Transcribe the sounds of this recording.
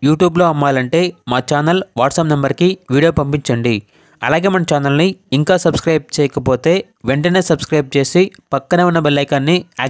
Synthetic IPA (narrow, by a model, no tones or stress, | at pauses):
juːʈjuːblo̞ːɐmːaːlɐɳʈe̞ːmaːt͡ʃaːnɐlʋaːʈsɐpnɐmbɐɾikiʋiːɽijoːpɐmpiɲt͡ʃɐɳɖi | ɐ̰laːɡe̞ːmɐnɐt͡ʃaːnɐlniiŋkaːsɐbskɾɐjb̚t͡ʃɛːjɐkɐpo̞ːt̪e̞ː | ʋeɳʈɐne̞ːsɐbskɾɐjb̚t͡ʃe̞ːsipɐkːɐnɐʋunːɐbɐlːɐjkaːnːiaː